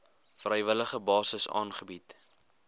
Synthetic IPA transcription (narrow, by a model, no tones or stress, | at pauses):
frɛjvələχəbɑːsəsɑ̰ːnχəbit